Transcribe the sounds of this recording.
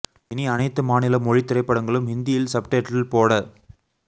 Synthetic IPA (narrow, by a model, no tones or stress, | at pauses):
ɪniɐnɐɪt̪ːɯmaːnɪlɐmɔɻit̪ːɪɾɐɪpːɐɽɐŋɡɐɭɯmhɪnd̪ɪjɪlsɐp̚ʈeːʈːɪlpoːɽɐ